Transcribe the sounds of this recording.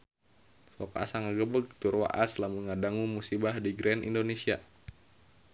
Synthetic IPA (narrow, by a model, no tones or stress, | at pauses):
sɔka̰saŋaɡəbəɡ̚t̪urwa̰ʔaslamuŋadaŋumusibahdiɡɾɛnʔḭndonesia